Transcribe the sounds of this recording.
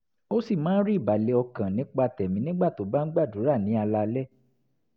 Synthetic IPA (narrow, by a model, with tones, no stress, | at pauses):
o˦si˦˨mãː˦n̩˦ɾi˦˨ba˨le˨˧ɔ˧kã˨nĩ˨˦k͡pa˧tɛ˨mĩ˨˦nĩ˦ɡ͡ba˦˨to˨˦ba˦n̩˦ɡ͡ba˦˨du˨˦ɾa˦˨nĩ˨˦a˧la˧lɛ˦